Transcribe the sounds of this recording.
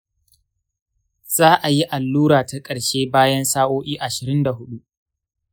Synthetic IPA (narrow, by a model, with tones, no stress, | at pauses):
z̥aː˦ʔa˨ji˦ʔa˨lːuː˦ɽaː˨ta˦kʼɐ˨ɽʃeː˦baː˦jɐ˦nsaː˦ʔoː˦ʔiː˦ʔa˨ʃɪ˨ɾɪ˦nda˨ɦʊ˦ɗu˦ʔ